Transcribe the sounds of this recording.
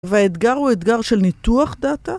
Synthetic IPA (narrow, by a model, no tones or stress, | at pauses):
veaet̪ɡaʁhuet̪ɡaʁʃelnit̪uaχd̪at̪a